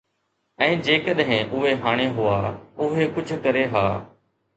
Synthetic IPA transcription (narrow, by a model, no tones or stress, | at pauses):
ɛ̃ːd͡ʑeːkəɗɦɪ̃ʔʊɦeɦaːɽ̃eɦʊaːʊɦekʊd͡ʒʱkəɾeɦaː